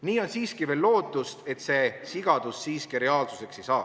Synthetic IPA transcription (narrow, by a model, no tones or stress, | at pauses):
niːo̞nsiːskive̞ːlːo̞ːt̪ːˑust̪e̞t̪ːˑse̞siɡ̥ɑd̪̥usːiːskiɾe̞ɑːlsuse̞ksejsɑː